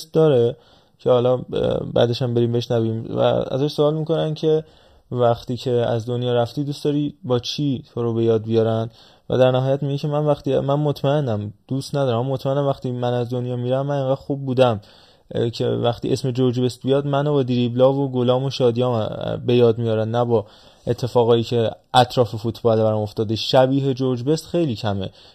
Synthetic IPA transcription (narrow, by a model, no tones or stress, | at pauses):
sd̪ɒːɾe | cʰehɒːlɒːbæ̰ːd̪eʃæmbe̞ɾiːmbe̞ʃnæviːmvæ̰æ̰zæʃsoɒːlmiːko̞næncʰe̞ | væxt̪iːcʰe̞æ̰zd̪onjɒːɾæft̪iːd̪uːst̪d̪ɒːɾiːbɒːt͡ʃʰiːt̪ʰoɾobe̞jɒːd̪̚bijɒːɾænd̪ | væ̰d̪æɾnæɦɒːjæt̪miɟecʰemænvæxt̪imænmot̪ʰmæe̞nːæmd̪̥ust̪næd̪ɒːɾææmːot̪ʰmæenːæmvæxt̪iːmænæzd̪o̞njɒːmiɾæmmːæneŋɡæːd̪̥xuːb̚ːuːd̪æm | cʰḛvæxt̪ḭʔe̞sme̞d͡ʒoɾd͡ʒbe̞st̪̚bijɒd̪mænobɒːd̪iɾiblɒːvoɡo̞lɒːmoʃɒːd̪ijɒːbe̞jɒːd̪mijɒːɾænd̪næbɒː | et̪ʰːe̞fɒːɣɒːjiːcʰe̞æt̪ʰɾɒːfefut̪ʰbɒːlbæɾæmo̞ft̪ɒːd̪eʃæbiːɦe̞d͡ʒoɾd͡ʒbe̞st̪xe̞jliːcʰæme̞̰